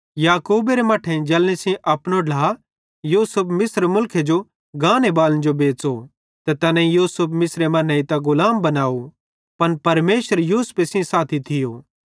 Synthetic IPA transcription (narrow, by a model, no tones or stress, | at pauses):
jaːkuːbeɾemaːʈʰẽd͡ʒɐlnisĩʔɐpñoɖʱaː | juːsʊpʰmɪsɾmʊlkʰed͡ʒo | ɡaːnebaːlənd͡ʒobeːt͡so | t̪et̪ɐnɛ̃ijuːsʊpmɪsɾemɐ̃nɐĩt̪aɡʊlaːmbɐnaːo | pɐnpɐɾmeːʃəɾjuːspesĩsaːt̪ʰit̪ʰɪjoː